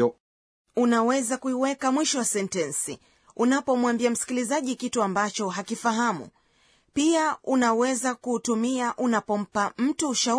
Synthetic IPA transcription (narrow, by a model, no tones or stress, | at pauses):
unawɛzakuiwɛkamwiʃɔwasɛntɛnsi | unapɔmwambiam̩si̥kilizaʄikituambat͡ʃɔɦakifaɦamṵ | piaunawɛzakuːtumiaʔunapɔm̩pam̩tuːʃa